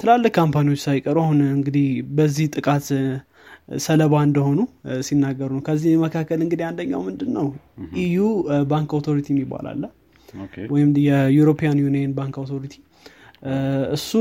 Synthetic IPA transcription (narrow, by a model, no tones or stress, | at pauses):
t̪ʰɨlalːɨkkːʰampʰaniwo̞t͡ʃːsajkʼːəɾuahunɨŋɡɨd̪ihbəzːiht̪ʼɨkʼat̪ | sələβaɨnd̪əho̞nusinːaɡːəɾunəwkʰəzːiməkʰakːəlɨŋɡɨd̪iand̪əɲːa̰wmɨnd̪ɨnːəw | ʔijubaŋkawt̪ʰo̞ɾit̪ʰijɛmːibːa̰la̰lːə | wɔjɪmjɛjuɾo̞pʰijanjunienbaŋkawt̪ʰo̞ɾit̪ʰi̥ | ɨsːu